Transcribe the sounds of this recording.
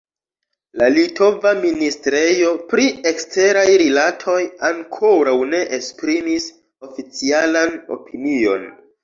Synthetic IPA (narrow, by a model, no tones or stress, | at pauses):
lalito̞vaministɾejo̞pɾiekste̞ɾajɾilatʰo̞jaŋkʰo̞ɾawne̞ʔespɾimis | o̞fit͡sialano̞̰pʰinio̞̰n